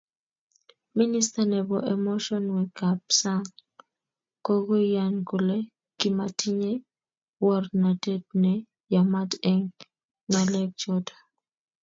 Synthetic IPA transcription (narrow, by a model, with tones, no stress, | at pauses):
mi˦ni˦sta˨nɛ˨bɔ˨ʔɛ˨mɔ˦ʃɔ˦nwɛ˨ɡa˨p̚sa˦ŋ | kɔ˦ɡo˦ja˨nku˨lɛ˦ | ki˨ma˨tʰi˦ɲe˦ | wɔ˦rna˨te˦t̚nɛ˨ | ja˨ma˦tɛ˦ŋː | a˦lɛ˦k̚d͡ʒɔ˦dḁ˨